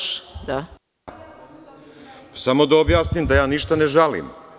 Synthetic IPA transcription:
d̪a | samo̞d̪aobjaːsnimd̪ajaːniʃt̪aneʒalḭm

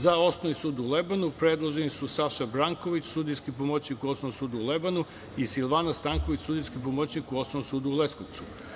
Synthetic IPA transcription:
zao̞snoʋisuːd̪uulebanupɾed̪lˠoʒenisusaʃabɾaŋko̞ʋit͡ɕsud̪ijskipomot͡ɕnikuosnoʋsuːd̪uulebanu | isilʋanast̪aŋko̞ʋit͡ɕsuːd̪ijskipomot͡ɕnikuo̞snoosuːd̪uulesko̞ʋt̪su̥

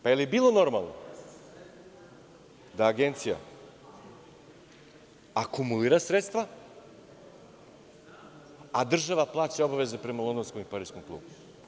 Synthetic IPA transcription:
pajelijebiːlˠo̞no̞ɾma̰lˠno̰ | d̪aːɡe̞nt̪sija̰ | akumuliːɾasɾet̪st̪ʋa | ad̪r̩ʒaʋaplˠaːt͡ɕeo̞baʋe̞zepɾe̞malod̪onsko̞mipaɾijskomklˠṵːbu

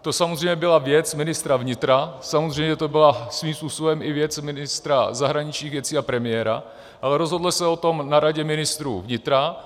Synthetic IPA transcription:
t̪o̞samozrɛjmɲɛbɪlavjɛt͡smɪnɪst̪ɾavɲɪt̪ɾasamozr̝ɛjɲɛt̪o̞bɪlasviːmspuːsobɛmʔɪvjɛt͡smɪnɪst̪ɾazaɦɾaɲɪt͡ʃɲiːɣvjɛt͡siːapɾɛmɪɛɾa̰ | ʔalɛɾozɦo̞dlɪsɛo̞t̪o̞mnaɾaɟɛmɪnɪst̪ɾṵːvɲɪt̪ɾa

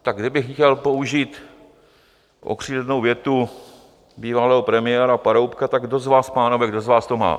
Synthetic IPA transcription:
t̪aɡ̚ɡdɪbɪxcɛlpo̞uʒiːt̪ | ʔo̰kr̝̥iːdɛdnowvjɛt̪u | biːvalɛːɦopɾɛmɪjɛːɾapaɾowpkat̪aɡdo̞zvaːspaːnovɛɡdo̞zvaːst̪oma̰ː

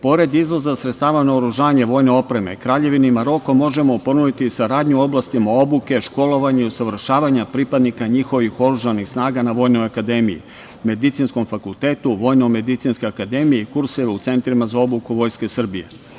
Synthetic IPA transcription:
po̞ɾe̞d̪izʋo̞zasɾet̪st̪aːʋanaoɾuʒaːɲe̞ʋo̞ːjne̞o̞pɾe̞me̞̰kɾaːʎe̞ʋineimaɾo̞ko̞mo̞ʒe̞mo̞po̞nud̪it̪isaɾaːd̪ɲuo̞blˠast̪imao̞buke̞ʃko̞lo̞ʋaɲeiosaʋr̩ʃaːʋaɲapɾipad̪nikaɲixo̞ʋixo̞ɾuʒanixsnaːɡanaʋo̞ːjno̞jakad̪e̞mijḭ | me̞d̪it̪sinsko̞mfakulˠt̪e̞ːt̪uʋo̞jnome̞d̪it̪sinsko̞jakad̪e̞mijeikuɾseʋeut̪se̞nt̪ɾimazao̞bukuʋo̞ːjske̞sr̩bije̞̰

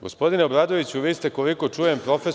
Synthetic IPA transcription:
ɡo̞spo̞d̪ineobɾaːd̪o̞ʋit͡ɕuʋiːst̪eko̞liko̞t͡ʃuːje̞mpɾo̞fe

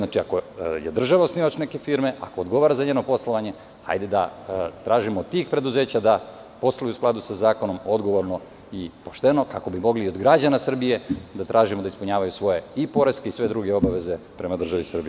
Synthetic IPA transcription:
nat͡ʃiako̞jḛd̪r̩ʒaʋaosniːʋat͡ʃneke̞fiɾmeʔa̰koːd̪ɡo̞ʋaːɾazaɲe̞ːno̞po̞slˠoʋaɲe̞ | ha̰jd̪ed̪a̰t̪ɾaːʒimod̪t̪ːiːxpɾe̞d̪uze̞ːt͡ɕad̪a | po̞slˠajiusklˠad̪usazaːko̞no̞mo̞d̪ɡo̞ʋo̞ɾno̞ | ipo̞ʃt̪e̞no̞kako̞bimo̞ɡliːod̪ɡɾad͡ʑanasr̩bije̞d̪at̪ɾʔaːʒimod̪aispuɲaːʋajusʋo̞je̞ipo̞ɾe̞ske̞isʋe̞d̪ɾuɡe̞o̞baʋe̞ze̞ | pɾe̞mad̪r̩ʒaʋisr̩bi

